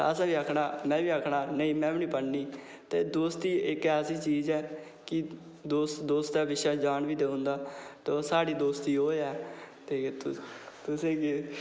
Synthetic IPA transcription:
əsãːʋiːəkʰɳaːmɛ̃ːʋiːəkʰɽaːnəĩːmɛ̃ːʋɪnĩːpəɽniː | t̪eːd̪oːst̪iːɪkɛːəsiːt͡ʃiːzɛː | kɪ | d̪oːst̪d̪oːst̪ɛːʋɪʃaːd͡ʒaːnʋiːd̪eːʊ̃nd̪aːt̪eːoːsaːɽiːd̪oːst̪iːɦoːɛːt̪eːt̪t̪ʊsẽːke

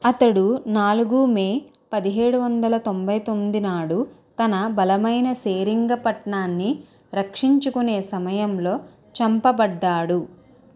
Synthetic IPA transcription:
ɐt̪ɐɽunaːluɡuːmeː | pɐd̪iɦe̞ːɽuʋɐnd̪ɐlɐt̪o̞mbɐjt̪o̞mːid̪inaːɽut̪ɐnɐbɐlɐmɐjnɐseːɾiŋɡɐpɐʈɳaːnːi | ɾɐkʂiɲt͡ʃukune̞ːsɐmɐjɐmlo̞ː | t͡ʃɐmpɐbɐɖːaːɽu

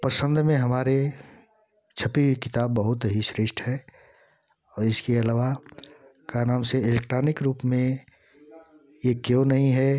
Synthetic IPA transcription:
pəsə̃nd̪ʱmẽɦɐmaːɾe | t͡ʃʰəpiwikɪt̪aːbːəɦʊt̪ɦiʃɾɪʃʈʰɦɛː | ɔːɾɪskeɐlaːʋa | kanaːmseɪlek̚ʈɾaːnɪkɾuːpmẽ | jekjõnɐɦĩɦɛ

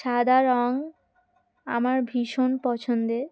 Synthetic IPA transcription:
ʃad̪ʱaɾɔŋ | a̰maɾbʱiʃonpɔt͡ɕʰond̪e

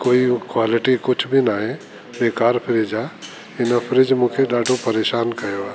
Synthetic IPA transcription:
koːikwaːlɪʈikʊt͡ʃʰbʱinaːɦe | beːkaːɾpʰɪɾɪd͡ʒaː | ɪnapʰɪɾɪd͡ʒmũːkʰeɗaːɖʱopɐɾeːʃaːnkɐjoaː

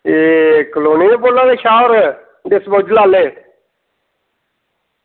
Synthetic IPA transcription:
ekəloːniːoboːlːãːd̪eːʃaːoɾ | d̪ɪsbod͡ʒlaːleː

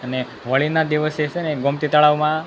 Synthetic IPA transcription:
əne | ʋəɭinad̪iʋəset͡ʃʰeneɡomt̪it̪əɭaʋmã

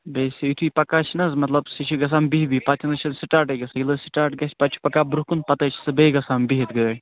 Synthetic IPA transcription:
beːsʲiit̪ʰuipɐkaːt͡ʃʰnɐzmɐt̪lɐbsit͡ʃʰuɡɐs̬aːmbiɦbipɐt̪ʲʰinɨt͡ʃʰɐnsiʈaːʈɐɡɐsɨilɨsiʈaːʈ̚ɡɐsʲpɐt̪t͡ʃʰu̥pɐkaːbɾuɦkunpɐt̪ɐt͡ʃʰsɨbeɡɐsaːmbiɦit̪ɡəː

